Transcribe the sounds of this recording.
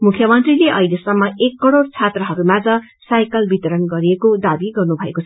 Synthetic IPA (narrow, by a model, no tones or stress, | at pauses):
mukʰjʌmʌnt̪rileʔʌilesʌmːʌekːʌɽoɽt͡sʰat̪rʌɦʌɾumad͡zʌ̃ | sajkʌlbit̪ʌɾʌnɡʌɾiekod̪abiɡʌrnubʱʌekot͡sʰʌ